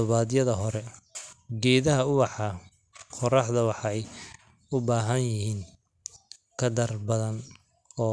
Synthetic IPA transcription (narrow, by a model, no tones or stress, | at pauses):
ɔβaːðjɐðɐɦɔɾɛ | ɡɛːðɐɦɐʊwɑħɑ | qʰɔrɑħðɐwɑħɑɛj | ʊbaːɦɐnjɪhiːŋ | kʰɐd̪ɐrbɐðɐn | ɔː